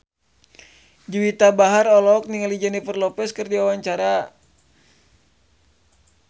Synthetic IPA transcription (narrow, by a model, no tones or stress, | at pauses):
d͡ʒuwit̪abaɦaɾɔlɔk̚niŋalid͡ʒɛnifərlɔpɛskɨrdiwawaɲt͡ʃaɾa